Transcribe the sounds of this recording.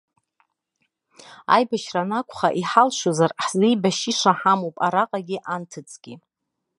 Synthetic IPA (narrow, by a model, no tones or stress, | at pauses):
a̰jbaʃranakʷʰʼχaʔiħalʃozarħzijbaʃiʂaħamowpʼaɾaqʼaɡʲiʔantʰɨt͡sʰʼɡ̥ʲi